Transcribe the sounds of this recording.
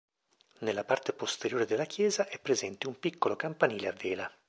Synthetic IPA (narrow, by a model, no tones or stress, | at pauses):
nelːapart̪epost̪eɾjoːɾed̪elːakʰjɛːzaʔɛpːɾezɛnt̪eumpikːolokampaniːleavːeːla